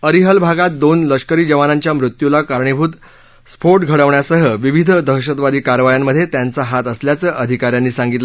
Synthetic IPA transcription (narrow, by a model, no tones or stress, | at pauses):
əɾiɦəlbʱaɡat̪̚d̪onləʂkəɾiːd͡ʑəʋanaɲt͡ɕjamɾut̪julakaɾɳebʱuːt̪ | spʰoɾʈɡʱəɽəʋɳjasəɦəʋiʋid̪ʱd̪ʱəɕət̪ʋad̪iːkaɾʋajamːəd̪ʱjet̪jant͡saɦat̪əsljat͡səːʔəd̪ʱikaɾjanːiːsãŋɡit̪l